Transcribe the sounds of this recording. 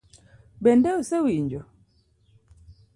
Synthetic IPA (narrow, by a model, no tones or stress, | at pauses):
bɛndɛusɛwiɲd͡ʒɔ